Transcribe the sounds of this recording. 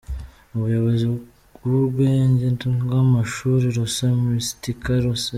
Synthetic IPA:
uβujoβozi | uβeːɲɟentuɡamaʃuɾiɾosamistikaɾosa

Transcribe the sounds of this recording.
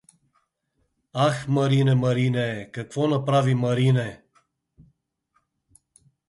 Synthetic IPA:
axməɾineməɾinekəkvonəpɾaviməɾine

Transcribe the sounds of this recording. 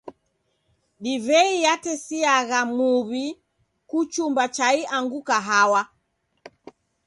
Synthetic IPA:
ɗivɛijatɛsiaɣamuβi | kut͡ʃumbat͡ʃaiʔaŋɡukaɦawa

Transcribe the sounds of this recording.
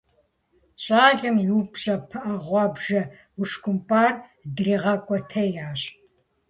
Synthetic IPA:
ɕʼaːɮʼɨmjuːpɕɐpʰɐʔɐʁʷɑːbʒɐ | uʂkʷʊmpʼaːrdriːʁɐkʷʼɔtʰɐjaːɕʼ

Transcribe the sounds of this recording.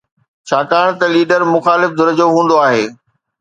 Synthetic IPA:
t͡ɕʰaːkaːɽ̃t̪ɐliːɖəɾmʊxaːlɪfd̪ʊɾəd͡ʑoɦũːn̆d̪oaːɦeː

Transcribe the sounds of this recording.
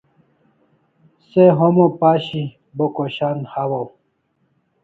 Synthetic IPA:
seɦomopaːɕi | bokoɕanhawo

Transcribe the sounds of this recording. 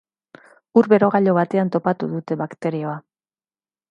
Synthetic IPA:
uɾβe̞ɾo̞ɣ̞aʎo̞β̞at̪e̞ant̪o̞pat̪uðut̪e̞βakt̪e̞ɾio̞a

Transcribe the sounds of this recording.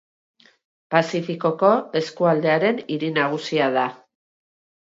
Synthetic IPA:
pasifiko̞ko̞e̞skuald̪e̞aɾe̞niɾinaɣ̞usiaða

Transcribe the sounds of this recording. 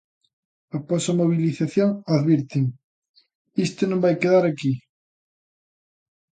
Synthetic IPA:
aposamoβ̞iliθaθjoŋaðβiɾt̪iŋ | ist̪onõmbajkeðaɾaki

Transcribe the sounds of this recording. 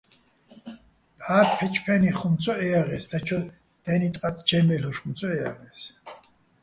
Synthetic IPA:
b̥aːɾpʰɛt͡ʃʰpʰɛniχumt͡sʼʰɔɛaʁɛsd̪at͡ʃʰɔ | d̪̥ɛnit̪ʼqʼat͡sʰʼd͡ʒɛmɛlɔʃχumt͡sʰʼɔɛa̰ʁɛs

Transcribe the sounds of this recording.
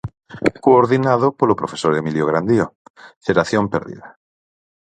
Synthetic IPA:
koːɾðinað̞opolopɾofesoɾemiljoɣ̞ɾand̪ioθeɾaθjompḛɾðḭða

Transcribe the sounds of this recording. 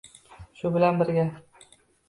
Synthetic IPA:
ʃʊbɪlanbɪɾɡʲa

